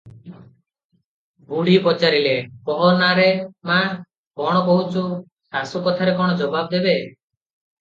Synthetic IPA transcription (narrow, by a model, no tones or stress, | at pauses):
buɽ̤ipɔt͡ʃaɾilekɔɦɔnaɾema | kɔɽ̃ɔkɔɦut͡ʃʰu | sasukɔt̪ʰaɾekɔɽ̃ɔd͡ʒɔbab̚d̪ebe